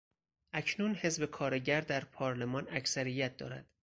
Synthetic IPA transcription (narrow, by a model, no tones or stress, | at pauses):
ʔæcʰnuːnhe̞zbe̞kʰɒːɾeɟæɾd̪æɾpʰɒːɾle̞mɒːnæcʰsæɾijæt̪̚d̪ɒ̰ːɾæ̰d̪̥